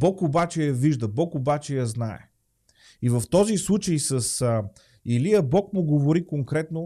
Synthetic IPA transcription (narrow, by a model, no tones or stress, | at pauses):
bɔkobat͡ʃɛjɐviʒd̪əbɔkobat͡ʃɛjɐznaɛ̰ | ivəft̪ɔzislˠut͡ʃəjsəs | iliɐbɔkmʊɡovoɾikoŋkɾɛt̪no